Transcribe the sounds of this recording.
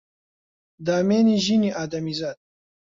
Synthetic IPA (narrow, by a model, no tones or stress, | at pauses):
d̪aːmeːniʒiniʔaːd̪ɐmizaːd̪̚